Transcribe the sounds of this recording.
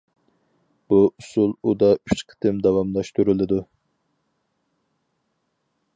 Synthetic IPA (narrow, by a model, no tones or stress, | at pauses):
b̥uʔusulˠud̪ɑyt͡ʃqʰə̥t̪ʰɨmd̪ɑwɑmlˠɑʃt̪uɾɨlˠɨd̪u